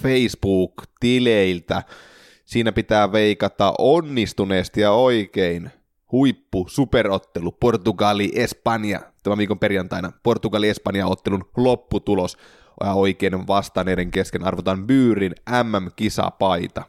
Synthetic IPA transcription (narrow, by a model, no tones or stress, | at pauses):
feisb̥uːkt̪ileilt̪æ | siːnæpit̪æːʋe̞ikɑt̪ɑ̰ʔonːist̪uneːst̪jɑoikein | huipːusuperot̪ːeluport̪uɡɑliʔespɑnjɑ̰t̪æmæʋiːkomperjɑnt̪ɑinɑpo̞rt̪uɡɑliespɑnjɑot̪ːelunlopːut̪ulos | jɑoikeːnenʋɑst̪ɑneːdeŋkeskenɑrʋot̪ɑmpyːɾinæmːæmkisɑ̰pɑit̪ɑ